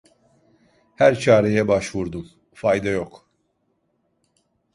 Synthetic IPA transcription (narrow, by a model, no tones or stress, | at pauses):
hæɾt͡ʃʰaːɾɛjɛbaʃvuɾd̪um | fajd̪ajok